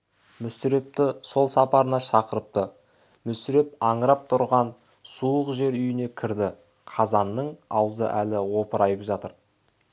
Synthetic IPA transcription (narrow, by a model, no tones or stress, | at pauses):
mʏsɪɾe̞p̚t̪ɪso̞lˠsɑpɑɾənɑʃɑqəɾəp̚t̪ə | mʏsɪɾe̞p̚ɑɴəɾɑp̚t̪ʰʊɾʁɑn | suəqʒe̞ɾʏjɪne̞kʲʰɪɾd̪ɪ | qʰɑzɑnːəɴɑwzə̰ʔælɪwo̞pəɾɑjəpʒɑt̪əɾ